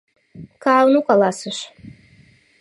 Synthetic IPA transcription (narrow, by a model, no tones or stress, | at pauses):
kawnukalˠasɨʃ